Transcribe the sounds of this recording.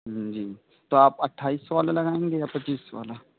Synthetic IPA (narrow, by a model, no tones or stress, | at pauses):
d͡ʒiː | t̪oaːpɐʈʰaːiːsʋaːlalɐɡaːẽːŋɡejapɐiːsʋa̰ːla